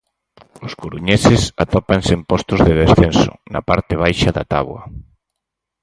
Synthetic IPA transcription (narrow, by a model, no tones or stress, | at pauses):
ʊskoɾuɲɛsɪsa̰t̪ɔpaŋsempɔst̪ʊzðɪðesθensʊ̰nɐ̰paɾt̪ɪβ̞ajʃaðɐt̪a̰βwɐ̰